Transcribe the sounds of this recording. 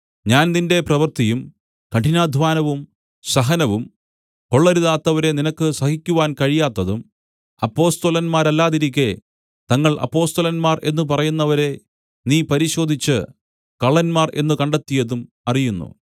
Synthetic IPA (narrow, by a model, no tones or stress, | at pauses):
ɲaːnninde̞prɐʋɐrt̪ijum | kɐʈinaːd̪ʱʋaːnɐʋum | sɐɦɐnɐʋum | ko̞ɭːɐɾuðaːt̪ːɐʋɐɾe̞ninɐkːɨsɐhikʲːuʋaːnkɐɻijaːt̪ːɐðum | ɐpːo̞ːst̪olɐnmaːɾɐlːaːðiɾik̬ʲːe | t̪ɐŋːɐɭʔɐ̰pːo̞ːst̪ɐlɐnmaːrʔe̞nːup̬ɐrɐjunːɐʋɐɾe̞ | niːpɐɾiɕo̞ːd̪ʱit͡ɕːɨ | kɐɭːɐnmaːre̞̰nːɨkɐɳɖɐt̪ːijɐðum | ɐrijunːṵ